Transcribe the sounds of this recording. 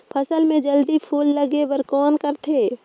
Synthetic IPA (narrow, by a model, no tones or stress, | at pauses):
pʰəsəlmẽd͡ʒəld̪ipʰuːlːɐɡewəɾkɔːnkəɾt̪ʰeː